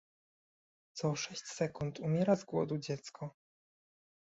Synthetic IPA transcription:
t̪sɔːʂɛɕt͡ɕsɛkunt̪umʲjɛɾazɡwɔ̰d̪ud͡ʑɛt̪skʰɔ

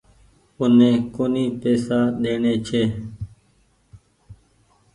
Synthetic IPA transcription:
ʊnẽːkoːniːpeːsaːɗeːɳeːt͡ʃʰeː

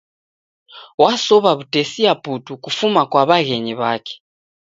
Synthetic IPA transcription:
wasɔβaβutesiabʱutukufumakwaβaɣeɲiβaːkʰɛ̥

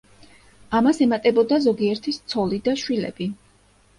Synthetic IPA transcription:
amasɛmat̪ʼɛbɔd̪azɔɡiɛɾt̪ʰist̪sʰɔlid̪aʃwilɛ̰b̥i

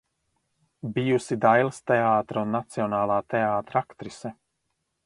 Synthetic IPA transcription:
bijusid̪ajlˠst̪ɛaːt̪ɾunːat̪siɔnaːlˠaːt̪eaːt̪ɾakt̪ɾisɛ

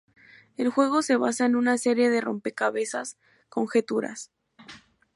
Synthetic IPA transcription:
e̞lxwe̞ɣ̞o̞se̞βasaenunase̞ɾje̞ðe̞ro̞̰mpe̞kaβe̞sas | koŋxe̞t̪uɾa̰s

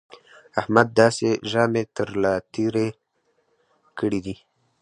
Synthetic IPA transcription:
ahmad̪̚ːɑːseʒɑːmet̪əɾlat̪iɾe | kəɽid̪i

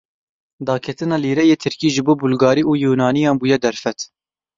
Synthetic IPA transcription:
d̪ɑːkʰɛt̪ɨnɑːliːɾɛjeːt̪ʰɨɾkiːʒɨboːbulɡɑːɾiːʔuːjuːnɑːnijɑːnbuːjɛd̪ɛɾfɛt̪

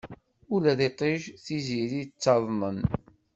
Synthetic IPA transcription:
ulæðeqiʒθiziɾit͡sːɑðˤmən

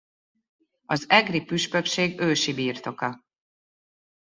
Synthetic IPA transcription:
ɒzɛɡripyʃpø̞kʃeːɡøːʃibiːrt̪o̞kɒ

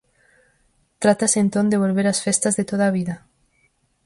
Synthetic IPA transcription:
t̪ɾat̪asent̪ond̪eβ̞olβeɾasfest̪azðet̪oð̞aβ̞iða

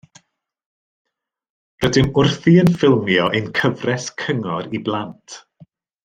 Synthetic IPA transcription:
rədɪmʊrθiənfɪlˠmjɔʔejnkʰəvrɛskʰəŋɔɾiblˠantʰ

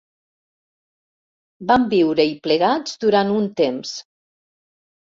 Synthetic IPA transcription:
bambiwɾəipləɣad͡zd̪uɾanunt̪ems

